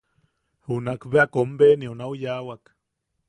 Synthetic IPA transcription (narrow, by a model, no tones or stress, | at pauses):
hunakbeakombeniunaujawak